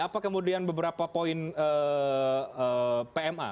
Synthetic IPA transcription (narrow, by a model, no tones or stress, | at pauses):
apakəmudianbəbəɾapapoɪnə | əpeɛmʔa̰